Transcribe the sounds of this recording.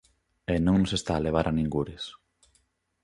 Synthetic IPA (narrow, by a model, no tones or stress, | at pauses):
enõŋnosest̪aːleβ̞aɾʔanĩŋɡuɾɪs